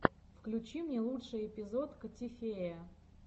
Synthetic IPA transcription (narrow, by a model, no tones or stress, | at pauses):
fklʲʉt͡ɕimnʲelˠutʂɨjɪpʲɪzot̪kətʲɪfʲejə